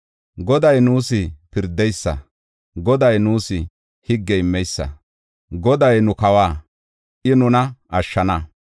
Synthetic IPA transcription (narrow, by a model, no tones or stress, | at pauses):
ɡɔd̪ɐjnuːsɪpɪɾd̪ɛjsːɐ̰ | ɡɔd̪ɐjnuːsɪ | hɪɡːɛɪmːɛjsːɐ̰ | ɡɔd̪ɐjnʊkɐwaː | ʔɪnʊnɐʔɐʃːɐnɐ